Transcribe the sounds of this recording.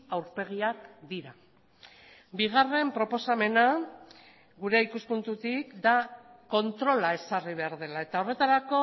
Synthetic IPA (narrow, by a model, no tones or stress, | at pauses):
awɾpe̞ɣ̞iakd̪iɾa | biɣ̞are̞mpɾo̞po̞same̞na | ɣuɾe̞ikuspunt̪ut̪ikd̪ako̞nt̪ɾo̞lae̞sariβ̞e̞aɾðe̞lae̞t̪ao̞re̞t̪aɾako̞